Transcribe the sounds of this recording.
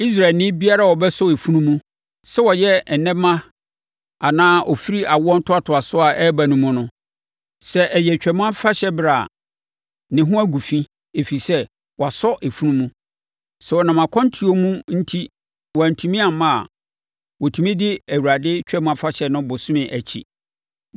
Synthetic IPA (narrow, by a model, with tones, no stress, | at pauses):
i˦s̬ɾa˨lnɪ̃˦bi˦a˦ɾa˦˨wɔ˨bɛ˦sʊ˦e˨fu˦nũ˦mũ˦ | sɛ˦wɔ˨jɛ˦ɛ˨nɛ̃˦mã˦ | a˨nãː˦ʔɔ˨fi˦ɾi˦a˨wɔ˦n̩˦tʰʊ˦a˦tʰʊ˨a˨sʊ˦a˨ʔɛ˦bæ˨nũ˨mʊ̃˦nʊ̃˦ | sɛ˦ʔɛ˨jɛ˨t͡ɕᶣɛ˨mʊ̃˦a˦fa˦ɕɛ˦bɾa˨ | nɪ̃˨ɦʊ̃˦æ˦ɡu˨fĩ˦ | e˨fi˨sɛ˦ | wɔ˨a˨sɔ˦ʔe˨fũ˦nũ˦mũ˦ | sɛ˨wɔ˨nã˨mã˨kʰɔ̃˦n˦tʰi˨˦o˦mũ˦n̩˦tʰi˦ | wɔ˨æ˨n̩˨tʰũ˨mĩ˦a˨mã˦a̰˨ | wɔ˨tʰũ˨mĩ˦dɪ˦æ˨wu˨ɾa˨dɪ˦t͡ɕᶣɾɛ˦mʊ̃˦a˦fa˦ɕɛ˦nʊ̃˦bʊ˨sʊ̃˦mɪ̃˨ʔæ˨t͡ɕʰḭ˨